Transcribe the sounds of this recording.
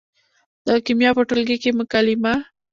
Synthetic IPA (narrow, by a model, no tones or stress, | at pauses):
d̪̥əkimjɑpəʈʊlɡikemʊkalɪma